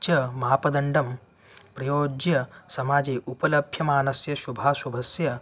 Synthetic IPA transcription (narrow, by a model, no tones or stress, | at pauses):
t͡ʃjɐmɐɦaːpɐd̪ɐɳɖɐm | pɾɐjoːd͡ʒjɐsɐmaːd͡ʒeːʔupɐlɐbʱjɐmaːnɐsjɐʃubʱaːsubʱɐsjɐ